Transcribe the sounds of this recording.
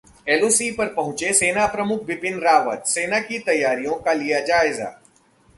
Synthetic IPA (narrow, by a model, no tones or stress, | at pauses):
ɛːloːsiːpɐɾpɐɦʊ̃t͡ʃeseːnapɾɐmʊk̚ʰʋɪpɪnɾaːʋə̰t̪seːnakit̪ɐjːaːɾijõkalijad͡ʒaːɪza̰ː